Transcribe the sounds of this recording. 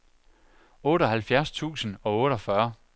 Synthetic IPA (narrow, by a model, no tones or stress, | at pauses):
ɔ̽ːɾəɒhælfjæɐst͡sʰṵːsən̩ɒ̽ɔ̽ːɾɒ̽fɶɐ